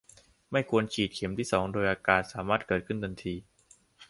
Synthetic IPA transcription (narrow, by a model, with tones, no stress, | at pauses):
ma˥˩jkʰu˧ənt͡ɕʰiː˨˩t̪̚kʰe˩˦mt̪ʰiː˥˩sɔː˩˦ŋdoː˧jʔaː˧kaː˧t̪̚saː˩˦maː˥˩t̪̚kɤː˨˩t̪̚kʰɯ˥˩ndɤ˧nt̪ʰiː˧